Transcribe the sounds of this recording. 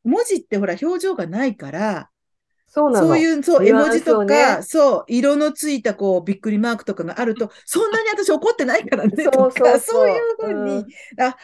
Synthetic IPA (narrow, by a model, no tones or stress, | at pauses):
mo̞ʑit̪ːe̞ɦo̞ɾaço̞ːʑo̞ːɡanaikaɾa | oːso̞ːjɯ̟ːso̞ːe̞mo̞ʑit̪okaso̞ːʔiɾo̞no̞t͡sɨit̪ako̞ːbʲikːɯ̟ɾʲimaːkɯ̟̥t̪o̞kaɡaʔaɾɯ̟t̪o̞ | sõ̞nːaɲ̟iat̪aɕio̞ko̞t̪ːe̞naikaɾane̞okaso̞ːjjɯ̟ːɸɯ̟̃ːɲ̟ːia